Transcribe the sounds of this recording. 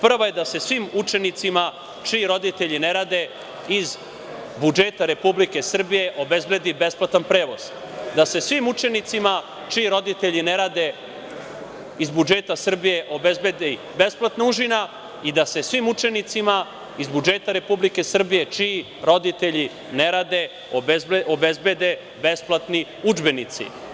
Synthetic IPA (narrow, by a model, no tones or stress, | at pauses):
pr̩ʋoje̞d̪ase̞sʋimut͡ʂe̞nit̪sima | t͡ʂiiɾo̞d̪it̪eʎine̞ɾad̪e̞ | iz | bud͡ʒeːt̪aɾe̞publike̞sr̩bije̞ʔo̞be̞zble̞d̪ibe̞splˠat̪anpɾe̞ːʋo̞z̥ | d̪ase̞sʋimut͡ʂe̞nit̪sima | t͡ʃiːɾo̞d̪it̪e̞ʎineɾad̪e̞ | izbud͡ʒeːt̪asr̩bije̞ʔo̞bezbe̞d̪e | be̞splˠat̪nauʒina | id̪ase̞sʋimut͡ʂe̞nit̪sima | izbud͡ʒeːt̪aɾe̞publike̞sr̩bije̞t͡ʃi | ɾo̞d̪it̪e̞ʎi | neɾaːd̪e | obeobezbed̪e̞ | besplˠat̪ni | ud͡ʒbe̞nit̪sḭ